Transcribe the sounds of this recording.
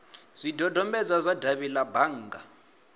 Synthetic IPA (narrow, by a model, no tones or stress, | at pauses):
z̥ʷidʱɔdʱɔmbɛd͡zazʷadaβilabaŋ̩ːɡa